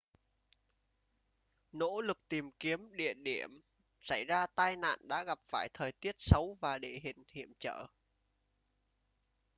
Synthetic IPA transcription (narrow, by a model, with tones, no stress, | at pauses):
no̰˧˥lɨ˨˩k̚t̪i˨˩mki˨˦əmɗḭ˧˨əɗi˧˩əm | sa˧˩jzaː˧t̪aː˧jna̰ː˧˨nɗa̰ː˧˥ɣa˨˩p̚faː˧˩jt̪ʰəː˨˩jt̪i˦˥ət̚sə˨˦wvaː˨˩ɗḛ˧˨ɦï˧˨ŋ̟hḭ˧˨əmt͡ɕə̰ː˧˨